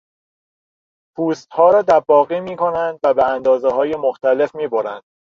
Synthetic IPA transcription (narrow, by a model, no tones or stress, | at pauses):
pʰuːst̪hɒːɾɒːd̪æɾbɒːɣiːmiːkʰo̞nænd̪væbeænd̪ɒːzeɦɒːje̞moxt̪æle̞fmiːboɾænd̪̥